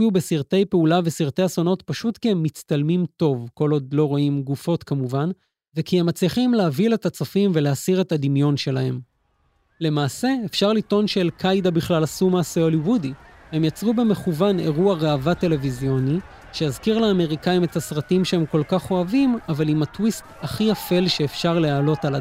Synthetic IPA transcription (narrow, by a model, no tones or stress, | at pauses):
ubesiʁte̞jpeulavesiʁt̪ejaso̞no̞t̪paʃut̪kiemːit͡st̪almimto̞vko̞lo̞d̪lo̞ʁoimɡufo̞t̪kamuvan | vekihe̞mat͡sliχimleavile̞tat͡safimve̞leasiʁe̞t̪ad̪imjo̞nʃe̞lahe̞m | le̞maːse̞eːfʃaʁlit̪o̞nʃelkʰajdabiχlalasumaːseo̞liwudihe̞mjat͡sʁube̞me̞χuvane̞̰ʁuaʁeavate̞le̞vizjo̞ni | ʃejazkiʁlaːme̞ʁikaime̞tasʁatimʃehe̞mko̞lkaχo̞avimavalimat̪wistaχiafe̞lʃe̞ːfʃaʁleaːlo̞tala